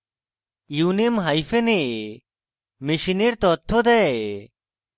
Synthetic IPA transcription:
junimɦajfene | miʃiniɾt̪ɔt̪ʰːɔd̪ɛ

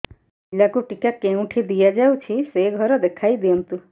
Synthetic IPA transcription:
ilakuʈikakeũʈʰid̪ijad͡ʒawt͡ʃʰiseɡʱɔɾɔd̪ekʰajd̪iɔnt̪u

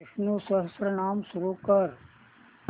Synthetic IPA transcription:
ʃnusɐɦsɾɐnaːmsuɾukɐɾ

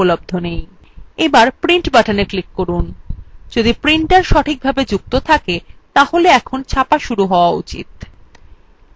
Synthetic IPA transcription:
olob̚d̪ʱonej | ebaɾpɾiɳʈbaʈʰaneklikːoɾund͡ʑod̪ipɾiɳʈʈaɾʃɔʈʰik̚bʱabed͡ʑuk̚t̪ot̪ʰaket̪aholeɛkʰont͡ɕʰapaʃuɾuɦɔoaṵt͡ɕḭt̪

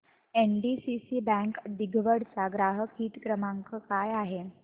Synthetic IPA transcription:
enɖisisiːbɛ̃ŋkd̪iɡʱʋəɽt͡saɡɾaɦəkʰiːt̪kɾəmaŋkəkajaɦe

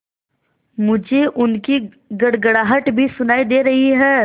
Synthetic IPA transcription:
mʊd͡ʒʱeʔʊnki | ɡɐɽɡəɽaːɦəʈbʱisʊnaːid̪eːɾɐɦiɦɛː

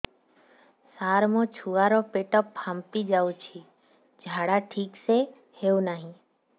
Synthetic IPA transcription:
saːɾmõt͡ʃʰuːaɾɔpeʈəpːʰampid͡ʒaːũt͡ʃʰi | d͡ʒʱaːɽaʈʰiːkse | heunaːɦĩ

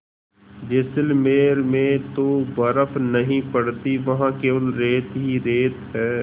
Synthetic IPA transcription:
d͡ʒesəlmeːɾmẽt̪obɐɾəfʰnɐɦĩpɐɽt̪iʋɐɦãkeːʋəlɾeːt̪ɦiɾeːt̪ɦɛː

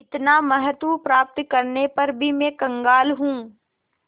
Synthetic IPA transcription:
ɪt̪namɐɦət̪wupɾaːp̚t̪kɐɾnepɐɾbʱimẽkɐ̃ŋɡaːlɦũː

